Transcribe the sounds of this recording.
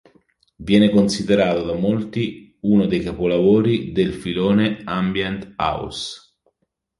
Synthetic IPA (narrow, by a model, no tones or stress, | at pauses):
vjɛːnekonsid̪eɾaːt̪od̪amolt̪i | unod̪ejkapolavoːɾid̪elfiloːneambjɛnt̪a̰w̰s